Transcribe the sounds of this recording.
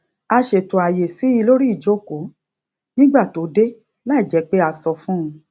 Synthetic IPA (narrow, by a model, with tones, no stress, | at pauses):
a˧ʃe˨to˨a˨je˨si˨˦i˧lo˦ɾi˦i˦˨d͡ʒo˨˦ko˨˦ | nĩ˦ɡ͡ba˦˨to˨˦de˦ | la˦i˦˨d͡ʒɛ˨˦k͡pe˦a˧sɔ˧fũ˦ũ˧